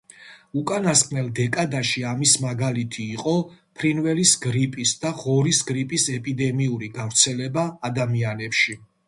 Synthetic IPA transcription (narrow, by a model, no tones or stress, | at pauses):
ukʼanaskʼnɛlˠd̪ɛkʼad̪aʃiamismaɡalit̪ʰiːqʼɔpʰɾinvɛlisɡɾipʼisd̪aʁɔɾisɡɾipʼisɛpʼid̪ɛmiuɾiɡavɾt̪sʰɛlɛbaːd̪amianɛpʃi